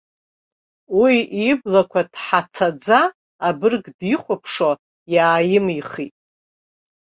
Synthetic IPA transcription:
wiiblakʷʰad̥ħat͡sʰad͡zaː | bɨrɡdiχʷapʰʂo | jaːjɪmiχitʼ

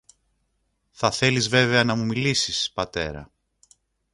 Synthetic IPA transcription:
θɐθe̞lizve̞ve̞ɐnɐmumilisispɐt̪e̞̰ɾɐ̰

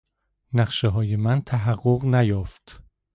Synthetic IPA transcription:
næχʃeɦɒːje̞mænt̪ʰæɦæɢːoʁnæjɒːft̪

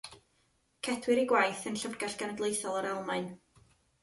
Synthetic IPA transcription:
kʰɛdwɪɾiɡwajθənɬərɡaɬɡ̥anədlˠejθɔlˠəɾɛlˠmaɨn

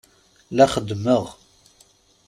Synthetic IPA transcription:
læχəd̪ːməʁ

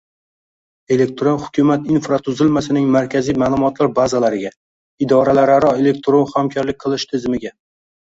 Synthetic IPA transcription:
e̞le̞k̚ʲt̪ɾonhʊ̥kʲʰʊmat̪infɾat̪ʰʊzɪlmasɪnɪŋmaɾkʲʰazijmaːlˠʊmɒt̪laɾbazalaɾɪɡʲa | ɪd̪ɒɾalaɾaɾɒe̞le̞k̚ʲt̪ʰɾonχamkʲʰɒɾlɪk̚ʲqʰɨlˠɪʃt̪ʰɪzmɪɡʲa

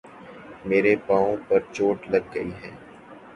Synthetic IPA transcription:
meːɾepãːõpɐɾt͡ʃoːʈlɐɡːɐiɦɛ̃ː

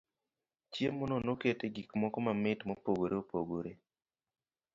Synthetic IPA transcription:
t͡ʃjemɔnonoketeɡikmɔkɔmamɪtmopoɡoɾeopoɡoɾe

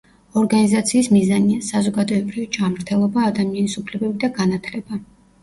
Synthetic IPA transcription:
ɔɾɡanizat̪sʰiːsmizaniasazɔɡad̪ɔɛbɾivid͡ʒamɾt̪ʰɛlˠɔbaːd̪amianisupʰlɛbɛbid̪aɡanat̪ʰlɛba

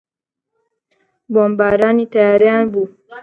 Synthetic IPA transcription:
bombaɾanit̪ajaɾijanbu

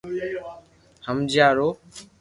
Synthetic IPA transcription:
həmd͡ʒjaːɾoː

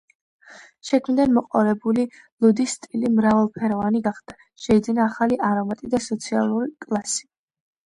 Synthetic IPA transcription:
ʃɛkʰmid̪anmɔqʼɔɾɛbuli | lˠud̪ist̪ʼilimɾavalˠpʰɛɾɔvaniɡaχd̪̥a | ʃɛid̪zinaːχaliʔaɾɔmat̪ʼid̪asɔt̪sʰialˠuɾikʼlˠasi̥

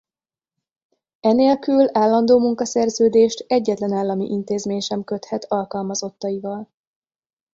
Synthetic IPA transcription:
ɛneːlkylaːlːɒnd̪oːmuŋkɒsɛrzøːd̪eːʃt̪ɛɟːɛt̪lɛnaːlːɒmḭʔint̪eːzmeːɲʃɛmkø̞t̪hɛt̪ʰɒlkɒlmɒzo̞t̪ːɒivɒl

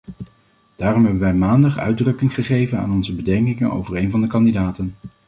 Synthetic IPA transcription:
d̥aːrɔmɦɛbənʋɛjmaːndɑχœ̰ɥdrɵkɪŋχəχejvəna̰ːnɔnzəbədɛŋkɪŋənʔo̰wvəɹejnvɑndəkɑndidaːtən

